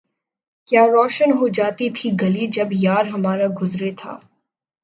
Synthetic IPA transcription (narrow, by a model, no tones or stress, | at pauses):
kjaːɾɔːʃənɦoːd͡ʒaːt̪it̪ʰiɡɐlid͡ʒɐbjaːɾɦɐmaːɾaɡʊzɾet̪ʰa̰ː